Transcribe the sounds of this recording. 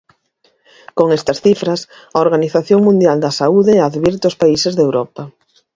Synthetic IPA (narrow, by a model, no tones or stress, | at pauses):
koŋɛst̪ɐsθifɾɐs | ɐoɾɣaniθaθjoŋmũnd̪jald̪ɐsauðɪɛaðβiɾt̪ʊspaisɪzðewɾɔpɐ